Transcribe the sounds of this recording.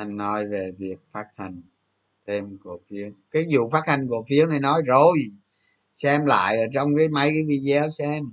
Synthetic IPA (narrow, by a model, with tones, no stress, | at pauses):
ʔa˨˧˩ŋ̟nɔ˨˦jve˨˩vi˨˩ək̚faː˦˥t̚t̪ʰa˧jŋ̟ | t̪e˧mku˨˧˩əfi˨˦əwkaː˨˦jzṵ˧˨faː˦˥t̪ʰa˧jŋ̟ku˧˩əfi˨˦əwha˧jnɔ˨˦jzo˨˩j | sɛ˧mla̰ː˧˨jʔəː˧˩t͡ɕɔ˧wŋ͡mkaː˨˦jma˨˦jkaː˨˦jvi˧zɛ˨˦wsɛ˧m